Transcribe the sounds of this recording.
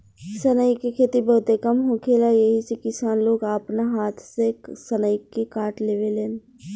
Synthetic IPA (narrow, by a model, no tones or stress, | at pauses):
sənəjkekʰeːt̪ibɐɦʊt̪ekəmɦõkʰelajeɦisekɪsaːnloːɡaːpnaɦaːt̪ʰsesɐnəjkekaːʈleːʋeleːn